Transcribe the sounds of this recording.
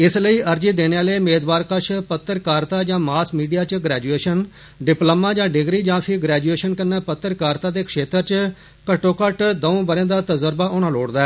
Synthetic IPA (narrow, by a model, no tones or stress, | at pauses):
ɪsləiːʔəɾd͡ʒiːd̪eːneːaːleiːmeːd̪baːɾkəʃʰpət̪ːəɾkaːɾt̪aːd͡ʒãːmaːsmiːɖijaːt͡ʃɡɾɛːd͡ʒueːʃən | ɖɪpləmãːd͡ʒãːɖɪɡɾiːd͡ʒãːpʰɪɡɾɛːd͡ʒueːʃənkənːaːpət̪ːəɾkaːɾt̪aːd̪eːkʰʃeːt̪əɾt͡ʃ | kəʈːoːkəʈd̪əõːbəɾjãːd̪aːt̪əzəɾbaːʔoːnaːloːɽd̪aːɛː